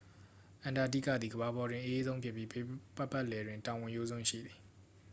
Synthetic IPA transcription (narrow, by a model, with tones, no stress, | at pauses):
ʔã˨nda˨dḭ˦˨kä̰˦˨d̪ði˨ɡəβa˨bɔ˨dwɪ̃˨ʔə˦ʔe˦zõ˦ʊ̃pʰɪ˦ʔpːji˦pa˦˨pa˦˨ʔlɛ˨dwɪ̃˨ntã˨wɪ̃˨jo˦zʊ̃˦ʃḭ˦˨d̪ði˨